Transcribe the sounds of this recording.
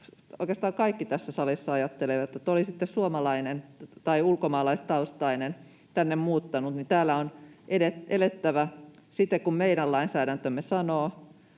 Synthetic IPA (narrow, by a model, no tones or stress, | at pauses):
oikest̪ɑːkɑikːit̪æsːæsɑlisːɑɑjɑt̪ːeleʋɑt̪ːˑot̪olisit̪ːessuomɑlɑinent̪ɑiulkomɑːlɑist̪ɑust̪ɑinen | t̪ænːemmuːt̪ːɑnut̪nit̪æːlːæonʔedetelet̪ːæʋæsit̪ːekkummeiɾællɑinsæːɾænt̪ømːesɑnoː